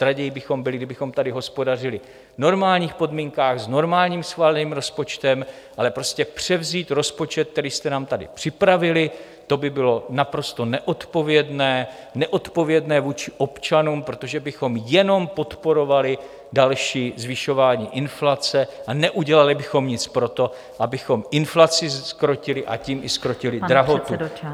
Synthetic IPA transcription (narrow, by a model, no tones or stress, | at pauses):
t̪ɾaɟɛjibɪxo̞mbɪlɪɡdɪbɪxo̞mt̪adɪɦo̞spo̞dar̝ɪlɪ | no̞ɾmaːlɲiːxpo̞dmiːŋkaːɣzno̞ɾmaːlɲiːmsxvaːlɛniːmɾo̞spo̞t͡ʃt̪ɛm | ʔalɛpɾo̞scɛpr̝̥ɛvziːt̪ɾo̞spo̞t͡ʃɛt̪̚k̪ːɛɾiːst̪ɛnaːmt̪adɪ̰pr̥ɪpɾavɪlɪ | t̪o̞bɪbɪlo̞napɾo̞st̪o̞nɛʔo̞t̪po̞vjɛdnɛː | nɛʔo̞t̪po̞vjɛdnɛːvuːt͡ʃɪʔo̞pt͡ʃanuːmpɾo̞t̪o̞ʒɛbɪxo̞mjɛno̞mpo̞t̪po̞ɾo̞valɪ | dalʃiːzvɪʃo̞vaːɲiːʔɪnflat͡sɛʔanɛʔuɟɛlalɪbɪxo̞mɲɪt͡spɾo̞t̪o̞ | ʔabɪxo̞mɪnflat͡sɪskɾo̞cɪlɪʔa̰ciːmɪskɾo̞cɪlɪdɾaɦot̪u